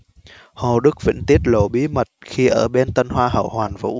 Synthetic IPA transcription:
ho˨˩ɗɨ˦˥k̚vḭ˧˥ŋ̟t̪i˦˥ət̚lo̰˧˩ɓi˨˦mə˨˩t̚xi˧ʔəː˧˩ɓe˧nt̪ə˧nhwaː˧ɦə̰˧˩whwaː˨˩nvṵ˧˥

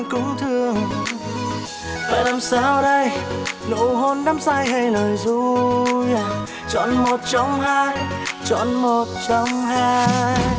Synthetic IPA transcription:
kʊ˧˥ŋ͡mt̪ʰɨ˧əəŋ | t̪a̰ː˧˨jlaː˨˩msaː˧wɗə˧jno̰˧˨ɦo˧nɗaː˨˦msaː˧jha˧jnəː˨˩jzu˧ja˨˩ | t͡ɕɔ̰˧˨nmo˨˩t̚t͡ɕɔ˧wŋ͡mhaː˧jt͡ɕɔ̰˧˨nmo˨˩t̚t͡ɕɔ˧wŋ͡mhaː˧j

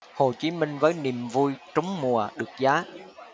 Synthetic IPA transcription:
ho˨˩t͡ɕi˨˦mï˧ŋ̟vəː˨˦jni˨˩əmvu˧jt͡ɕə˨˦wŋ͡mmu˨˩əɗɨ˨˩ək̚zaː˨˦

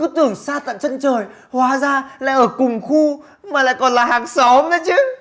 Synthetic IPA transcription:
ɨ˨˦˥t̪ɨ˨˧˩əŋsaː˧t̪a̰ː˧˨mt͡ɕə˧nt͡ɕəː˨˩j | hwaː˨˦zaː˧la̰ː˧˨jʔəː˧˩kʊ˨˩ŋ͡mxu˧ | maː˨˩la̰ː˧˨jkɔ˨˩nlaː˨˩ɦaː˨˩ŋsɔ˨˦mɗə˨˦jt͡ɕɨ˨˦

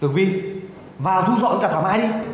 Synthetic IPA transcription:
ɨ˨˩vi˧ | vaː˨˩t̪ʰu˧zɔ̰˧˨nkaː˨˩aː˨˩ma̰ː˧˥jɗi˧

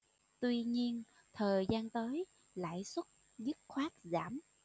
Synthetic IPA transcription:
t̪wi˧ɲi˧ən | t̪ʰəː˨˩jzaː˧nt̪əː˨˦j | la̰ː˧˨jswə˦˥t̚ | zɨ˦˥t̚xwaː˦˥t̚zaː˧˩m

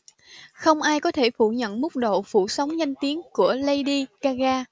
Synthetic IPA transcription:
xə˧wŋ͡mʔaː˧jkɔ˨˦t̪ʰe˧˩fu˧˩ɲə̰˧˨nmʊ˦˥k͡p̚ɗo̰˧˨fṵ˧˩sə˨˦wŋ͡mɲa˧jŋ̟t̪i˨˦ənku˧˩ələ˧jɗi˧kaː˧ɣaː˧

